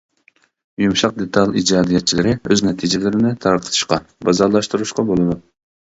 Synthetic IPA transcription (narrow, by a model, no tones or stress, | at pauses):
jumʃɑq̚d̪et̪ʰɑlˠid͡ʒɑːd̪ijɛt̪̚t͡ʃʰilɪɾɪøznɛt̪ʰid͡ʒɪlɪɾɪnɪt̪ʰɑɾq̪ʰət̪ʰɨ̥ʃqɑbɑzɑɾlˠɑʃt̪uɾuʃqɑbolˠɨnu